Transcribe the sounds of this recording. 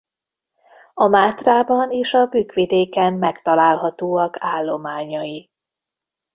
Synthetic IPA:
ɒmaːt̪raːbɒneːʃɒbyːkʋid̪eːkɛmːɛkt̪ɒlaːlɦɒt̪oːɒkʰaːlːo̞maːɲɒji

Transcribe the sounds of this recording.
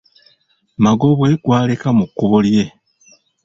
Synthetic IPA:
maɡo̞βwe̞ɡwaːlekamukːuβolje̞

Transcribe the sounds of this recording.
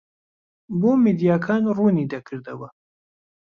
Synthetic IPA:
boːmid̪ijaːkʰaːnruːniːd̪ɐkʰɨɾd̪ɐwɐ

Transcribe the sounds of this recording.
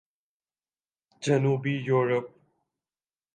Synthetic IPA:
d͡ʒɐnuːbiːjoːɾəp̚

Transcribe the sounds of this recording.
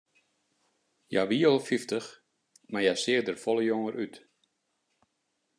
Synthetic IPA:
ja̰ʋiəlˠfiftəx | majasɪədərfɔləjoŋərʔyt

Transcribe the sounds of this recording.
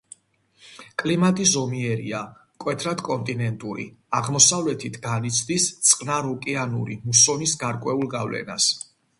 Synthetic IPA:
kʼlimat̪ʼizɔmiɛɾḭamkʼwɛt̪ʰɾad̪kʼɔnt̪ʼinɛnt̪ʼuɾḭaʁmɔsavlɛt̪ʰit̪ʰɡanit̪sʰd̪ist̪sʼqʼnaɾɔkʼianṵɾḭmusɔnisɡaɾkʼwɛulˠɡavlɛ̰na̰s

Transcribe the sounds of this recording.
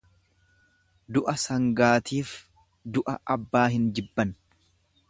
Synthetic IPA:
d̪ʊʔɐsɐŋɡaːt̪iːf | d̪ʊʔɐʔɐbːaːhɪnd͡ʒɪbːɐn

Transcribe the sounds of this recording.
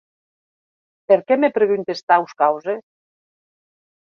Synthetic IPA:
peɾkɛmepɾeɣynt̪est̪awskawzes

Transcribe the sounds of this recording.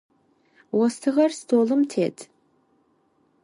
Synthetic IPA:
wɔstʰɨʁɐrstʰoːlɨmtʰḛːtʰ

